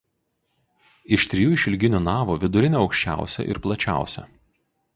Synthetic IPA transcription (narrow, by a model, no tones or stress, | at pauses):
ɪʃt̪ʲɾʲɪjuːɪʃʲɪlʲɡʲɪnʲuːnɑːʋuʋʲɪd̪ʊɾʲɪnʲeɒʊkʃʲt͡ʃʲæ̰ˑʊsʲɛ̰ʔɪ̰ɾplˠɐt͡ʃʲæ̰ˑʊsʲɛ̰